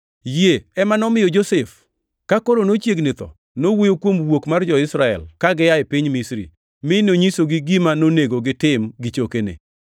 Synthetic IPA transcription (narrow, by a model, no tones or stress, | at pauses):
jeɛmanɔmɪjɔd͡ʒosɛf | kakoɾonot͡ʃjeɡnɪt̪ɔ̰ | nowojokwomwokmard͡ʒɔɪsɾaɛ̰lkaɡɪjaɪpɪɲmisɾḭ | mɪnoɲisoɡɪɡimanoneɡoɡɪtɪmɡɪt͡ʃokenɪ̰